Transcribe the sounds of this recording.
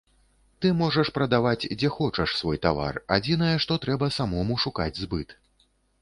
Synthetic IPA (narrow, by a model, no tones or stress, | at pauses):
t̪ɨmɔʐɐʂpɾɐd̪avat͡sʲd͡zʲɛxɔt͡ʂɐʂsvɔjt̪ava̰rad͡zʲinɐjɛʂt̪ɔt̪ɾɛbɐsamɔmuʂuka̰d͡zʲzbɨt̪